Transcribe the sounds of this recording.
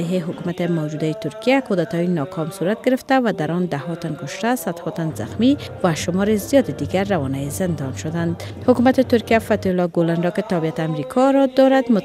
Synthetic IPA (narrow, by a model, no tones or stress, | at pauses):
jɦeɦʊkumat̪emawd͡ʒud̪ajet̪ʊɾkijakod̪at̪ɔjinɒkʰɔmsuɾat̪̚ɡɪɾɪft̪avad̪aɾɔnd̪ahɔt̪ankʊʃt̪asad̪hɔt̪anza̰xmivaʃʊmɔɾezijɒd̪ed̪iɡaɾːawɔnajezɪnd̪ɒnʃʊd̪and̪ | hʊkumat̪et̪ʊɾkijafat̪iʊlɔɡoland̪ɔket̪abijat̪eamɾikʰɔɾɔd̪ɔɾad̪mʊ